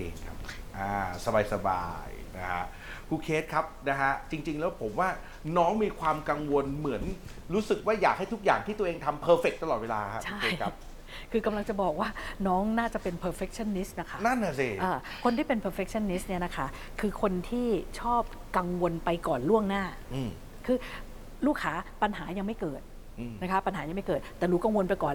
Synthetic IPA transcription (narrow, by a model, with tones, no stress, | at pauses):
ḛː˧ŋkʰa˦˥p̚ʔaː˧˩sa˧baː˧jsa˧ba̰ː˧jna˦˥kʰa̰˦˥ʔ | kʰuː˧kʰeː˦˥t̪̚kʰa˦˥p̚na˦˥kʰa˦˥t͡ɕi˧ŋt͡ɕi˧ŋlɛː˦˥wpʰo˩˦mwaː˥˩ | nɔː˦˥ŋmiː˧kʰwaː˧mka˧ŋwo˧nmɯ˩˦ən | ɾuː˦˥sɯ˨˩k̚waː˥˩jaː˨˩k̚ha˥˩jt̪ʰu˦˥k̚jaː˨˩ŋt̪ʰiː˥˩t̪u˧əʔeː˧ŋt̪ʰa˧mpʰɤː˧fe˨˩k̚t̪a˧lɔː˨˩t̪̚weː˧laː˧kʰa˦˥t͡ɕʰa˥˩eː˧jkʰa˦˥p̚ | kʰɯː˧ka˧mla˧ŋt͡ɕa˨˩bɔː˨˩k̚waː˥˩nɔː˦˥ŋnaː˥˩t͡ɕa˨˩pe˧npʰɤː˧fe˦˥k̚t͡ɕʰa˥˩˨nːi˦˥st̪̚na˦˥kʰa˦˥na˥˩˨na˧˩si˧˩ʔɤː˧˩ | kʰo˧nt̪ʰiː˥˩pe˧npʰɤː˧fe˦˥k̚t͡ɕʰa˥˩nːi˦˥t̪ni˥˩ɐna˦˥kʰa˦˥ | kʰɯː˧kʰo˧nt̪ʰiː˥˩t͡ɕʰɔː˥˩p̚ | ka˧ŋwo˧npa˧jkɔː˨˩nlu˥˩əŋnaː˥˩ | ʔɯː˧˩ | kʰɯː˧ | luː˥˩kʰːaː˦˥pa˧nɦaː˩˦ja˧ŋma˥˩jkɤː˨˩t̪̚ | ʔɯ˧na˦˥kʰa˦˥pa˧nɦaː˩˦ja˧ŋma˥˩jkɤː˨˩t̪̚ːɛː˨˩luː˦˥ka˧ŋwo˧npa˧jkɔː˨˩